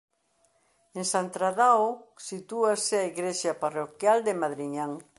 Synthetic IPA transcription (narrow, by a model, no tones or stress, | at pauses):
eŋsant̪ɾaðaosit̪uasɪaiɣɾeʃaparokjald̪emaðɾiɲaŋ